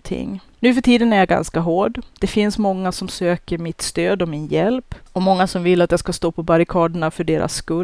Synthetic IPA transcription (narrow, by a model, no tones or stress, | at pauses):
t̪ʰɪ̰ŋːnʉ̟ːfœʈʰiːd̪ənæɾjaɡa̰nskaɦoːɖd̪̥ɛfɪnsmɔŋːasɔmsøːkəɾmɪt̪st̪øːd̪ɔmɪnjɛlpɔmɔŋːasɔmvɪlːat̪jaskast̪oːpʰɔbaɾɪkʰɑːd̪əɳafœɖeːɾʔa̰sːkɵ